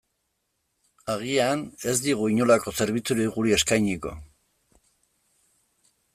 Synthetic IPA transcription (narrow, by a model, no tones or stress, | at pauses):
aɣiane̞zd̪iɣ̞uiɲo̞lako̞se̞ɾβ̞it͡suɾiɣuɾie̞skajɲiko̞̰